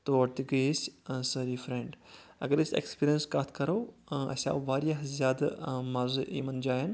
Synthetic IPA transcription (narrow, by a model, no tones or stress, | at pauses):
t̪oːɐɾt̪iɡissɐɾiːfɾẽːɳɖɐ̰ɡəɾɪsḛkspiːɾijənskaːt̪ʰkɐɾoːɐ̰sʲa̰ːʋaːɾijaɦzjaːd̪maɾzʔiːmɐnd͡ʒaːɦɐn